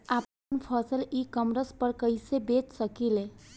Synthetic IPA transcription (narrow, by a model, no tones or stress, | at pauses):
ap | npʰəsəlikəmɾəspəɾkəɪsebet͡ʃsəkile